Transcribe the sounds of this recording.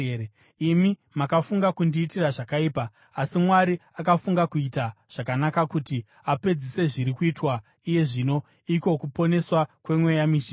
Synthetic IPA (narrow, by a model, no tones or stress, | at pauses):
imi | makafuŋɡakundiːtiraʐakaiːpaː | simwaɾiakafuŋɡakuitaʐ̥akanakakuti | ape̞d͡zise̞ʐiɾikuitwa | ije̞ʐino̞ | iko̞kupo̞ne̞swakwe̞mwejamiʃi